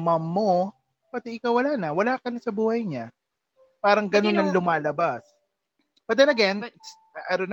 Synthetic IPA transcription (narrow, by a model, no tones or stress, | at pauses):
mɐmːo | pɐt̪ɪʔɪkawɐlaːnɐwɐlaːkɐnɐsɐbuːhɐjɲa | paːɾɐŋɡɐno̞nɐŋlʊmaːlɐbas | pɐd̪ɐlɐɡanɪks | ʔɐɾon